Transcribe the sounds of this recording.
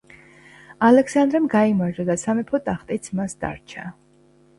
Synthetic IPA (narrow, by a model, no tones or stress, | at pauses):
alɛksand̪ɾɛmɡaimaɾd͡ʒad̪asamɛpʰɔt̪ʼaχt̪ʼit̪sʰmasd̪a̰ɾt͡ʃʰa